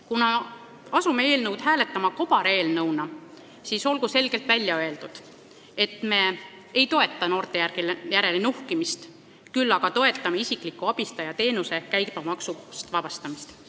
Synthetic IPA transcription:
kunɑ | ɑsumee̞ːlnɤwd̪hæːle̞t̪ːˑɑmɑko̞b̥ɑɾe̞ːlnɤwnɑ | siːso̞lɡ̥use̞lɡ̥e̞lt̪vælʲːjɑøe̞ld̪̥ud̪̥ | e̞t̪me̞ | ejt̪o̞e̞t̪ːˑɑno̞ːrt̪e̞jærɡ̥iljæɾe̞lenuhkimist̪ | kylːɑɡ̥ɑt̪o̞e̞t̪ːˑɑmeisiklikːˑuɑb̥ist̪ɑjɑt̪e̞ːnuse̞kæjɡpɑmɑksust̪vɑb̥ɑst̪ɑmist̪

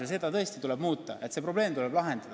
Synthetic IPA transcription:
es̬e̞d̪ɑt̪ɤe̞st̪it̪ule̞b̥muːt̪ːˑɑʔe̞t̪se̞pro̞ble̞ːmt̪ule̞b̥lɑɦe̞nd̪̥ɑd̪̥

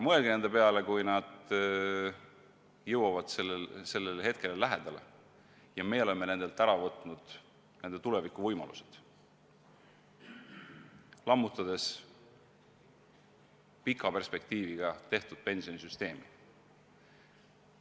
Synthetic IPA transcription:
mɤelɡ̥ene̞nd̪epe̞ɑle̞kujnɑd̪̥ | jɤwɑvɑd̪̥se̞lːelse̞lːe̞lhe̞t̪̚ke̞lelæɦed̪̥ɑlḛ | jɑmejo̞le̞mːe̞ne̞nd̪e̞lt̪æɾɑvɤt̪ːˑnud̪̥ | ne̞nd̪e̞t̪ule̞vikˑːuvɤjmɑ̰lṵse̞̥d̪̥ | lɑmːut̪ːˑɑd̪̥e̞s | pikːˑɑpe̞rspe̞k̚t̪iːviɡ̥ɑt̪e̞ht̪ud̪̥̚pe̞nsio̞nisyst̪e̞ːmi

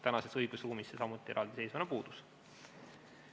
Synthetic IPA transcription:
t̪ænɑse̞sɤjɡ̥usruːmisːesɑmut̪ːˑiɾʔɑ̰ːld̪esesvɑnepuːd̪̥us

